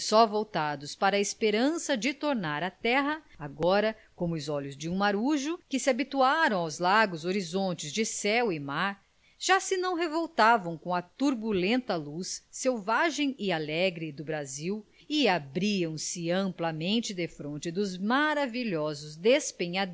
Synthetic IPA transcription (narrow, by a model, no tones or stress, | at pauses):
sɔvowt̪ad̪ʊspaɾɐespeɾɐ̃sɐd͡ʒɪt̪oɾnaɾɐt̪ɛɦɐaɡɔɾɐ | kõmʊʊzɔʎʊzd͡ʒɪũmaɾuʒʊkɪsɪabit̪uaɾɐ̃w̃awzlaɡʊzoɾizõnt͡ʃɪzd͡ʒɪsɛwɪmaɾ | ʒ̥asɪnɐ̃w̃ɦevowt̪avɐ̃w̃kõɐt̪uɾbulẽnt̪ɐlusːewvaʒẽj̃ɪalɛɡɾɪd̪ʊbɾaziw | ɪabɾiɐ̃w̃sɪɐ̃mplɐmẽnt͡ʃɪd̪efɾõnt͡ʃɪd̪ʊzmaɾaviʎɔzʊzd̪espẽɲad̪